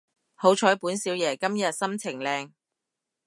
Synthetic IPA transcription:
ho˨˥wt͡ʃʰɔː˨˥jpuː˨˥nsiː˨˥wjɛː˨˩kɐ˥mjɐ˨t̚sɐ˥mt͡sʰɪ˨˩ŋlɛː˧ŋ

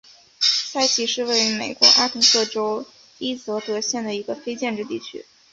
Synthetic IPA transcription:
sa˥˩ɪt͡ɕʰi˧˥ʂɻ̩˥˧we˥˩ɪy˧˥me˨˩ɪkwɔ˧˥ʔa˥k̪ʰɤ˧˥ŋsɤ˥˩ʈ͡ʂo˥ʊ | i˥t͡sɤ˧˥t̪ɤ˧˥ɕjɛ˥˩nd̪ə˩i˧˥ɡə˧fe˥ɪt͡ɕjɛ˥˧nʈ͡ʂɻ̩˥˧t̪i˥˩t͡ɕʰy̰˥

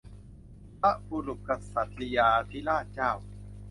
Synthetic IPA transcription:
pa˦˥bu˧ɾu˨˩p̚ka˧sa˨˩t̪̚li˧jaː˧t̪ʰi˦˥˩laː˥˩t̪̚t͡ɕaː˥˩w

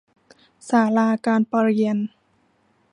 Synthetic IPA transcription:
saː˩˦laː˧kaː˧npa˧ɾi˧ən

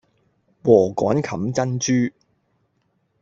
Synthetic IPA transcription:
wɔː˨˩kɔː˨˥nkʰɐ˨˥mt͡sɐ˥nt͡ʃyː˥

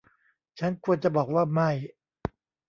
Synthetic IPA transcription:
t͡ɕʰa˦˥nkʰu˧ənt͡ɕa˨˩bɔː˨˩k̚waː˥˩ma˥˩j

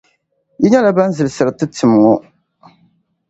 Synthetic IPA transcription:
ji˦ɲa˦la˦ba˦n˦zɨ˨lsɨ˨ɾɨ˨tɨ˦tʰɨ˨m˨ŋɔ˦

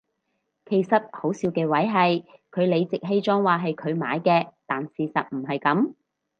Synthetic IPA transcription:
kʰe˨˩jsɐ˨t̚ho˨˥wsiː˨˧wkɛː˧wɐ˨˥jɦɐ˨jkʰɵ˨˧ɥle˨˧jt͡sɪ˨k̚ɦe˥jt͡ʃɔː˥ŋwaː˨ɦɐ˨jkʰɵ˨˧ɥma̰ː˨˧jkɛː˧t̪aː˨nsiː˨sɐ˨t̚m̩˨˩ɦɐ˨jkɐ˨˥m

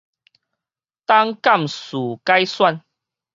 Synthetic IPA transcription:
t̪a˦ŋka˥˨msu˨˩ka˦jswa˥˧n

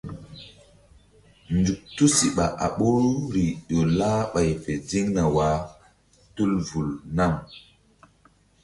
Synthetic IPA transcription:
nd͡ʒu˨k̚tu˦si˨ɓa˨ʔa̰˨ɓu˦ɾu˦ɾi˨ɗo˨laː˦ɓa˨jfe˨zi˦ŋna˨wa˨˦ | tu˦lvu˨lna˦˨m

